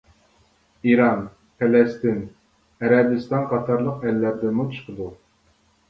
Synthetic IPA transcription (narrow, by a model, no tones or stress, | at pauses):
iɾɑn | pʰɛlɛst̪ɪn | ɛɾɛbɨst̪ɑnqʰɑt̪ʰɑɾlˠəqɛlːæɾd̪ɪmut͡ʃʰə̥qʰəd̪u